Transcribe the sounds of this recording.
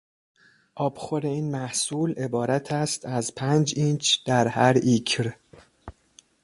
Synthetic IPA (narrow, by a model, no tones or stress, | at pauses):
ʔɒːbxoɾe̞iːnmæhsuːle̞bɒːɾæt̪ʰæst̪ʰæzpʰænd͡ʒint͡ʃʰd̪̥æɾhæɾicʰɾ